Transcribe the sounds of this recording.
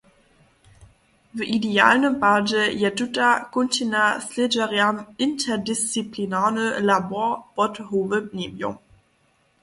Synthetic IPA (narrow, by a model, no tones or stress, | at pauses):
vəʔidea̰ːlnəmpaːd͡ʒəjɛtutakʊntʰinasled͡ʒɛʁjanɪntʰɛɐdist͡siplinaːnəlabɔɐpɔthoːvəneːmjo̰m